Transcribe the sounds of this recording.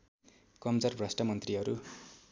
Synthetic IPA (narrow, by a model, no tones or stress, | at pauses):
kʌmd͡zʌrbrʌsʈʰʌmʌnt̪riɦʌɾu